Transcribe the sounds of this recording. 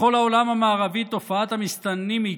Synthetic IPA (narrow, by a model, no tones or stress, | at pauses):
olaolamamaːʁavit̪ofaat̪amist̪anːimi